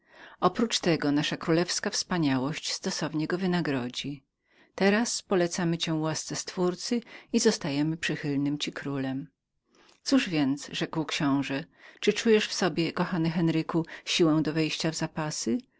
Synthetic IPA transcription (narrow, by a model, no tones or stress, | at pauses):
ɔpɾut͡ʂt̪ɛɡɔnaʂakɾulɛfskafspaɲawɔɕt͡ɕst̪ɔsɔvɲɛɡɔvɘnaɡɾɔd͡ʑi | t̪ɛɾaspɔlɛt̪samɘt͡ɕɛ̃wast̪sɛst̪fuɾt̪sɘizɔst̪ajɛmɘpʂɘxɘlnɘmt͡ɕikɾulɛm | t̪suʐvʲjɛnt̪sʐɛkwkɕɔ̃w̃ʐɛt͡ʂɘt͡ʂujɛʂfsɔbʲjɛkɔxanɘxɛnɾɘkuɕiwɛ̃w̃d̪ɔvɛjɕt͡ɕavzapasɘ